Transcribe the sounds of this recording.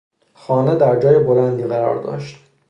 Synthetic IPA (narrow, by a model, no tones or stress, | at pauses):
xɒːned̪æɾd͡ʒɒːjebolænd̪iːɣæɾɒ̰ːɾd̪ɒ̰ːʃt̪